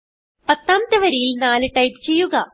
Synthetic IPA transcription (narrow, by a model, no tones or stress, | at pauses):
pɐt̪ːaːmt̪ɐʋɐɾejilnaːlɨʈɐjpt͡ɕe̞jːuɣɐ